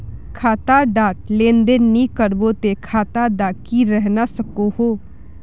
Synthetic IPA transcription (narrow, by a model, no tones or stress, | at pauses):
kʰaːt̪aɖaːʈlẽːnd̪enikəɾbot̪ekʰaːt̪ad̪aːkiɾɛɦnasəkohoː